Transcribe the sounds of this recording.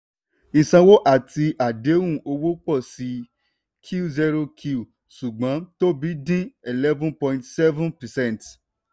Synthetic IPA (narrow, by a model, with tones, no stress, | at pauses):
i˨sã˧wo˦ʔa˦˨ti˧ʔa˨de˨˦wũ˦˨o˧wo˦k͡pɔ˦˨si˨˧ | kʰu˦u˦˨zɛ˧ɾo˧kʰi˦˨ | su˨ɡ͡bã˨˦to˦bi˨˦dĩ˦i˨lɛ˦vũ˦npɔ̃˧ĩntsɛ˦vũ˦npɛ˨sɛ̃˦˨t